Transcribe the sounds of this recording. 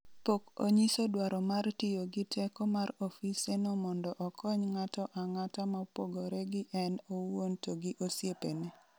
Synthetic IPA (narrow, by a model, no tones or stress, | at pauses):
poko̰ɲisodwaɾɔmartɪjoɡɪtʰɛkɔmarɔfisenɔmɔndɔʔɔkʰɔɲŋatɔʔaŋatamapwoɡoɾɛɡɪʔɛnowontoɡiʔosjepene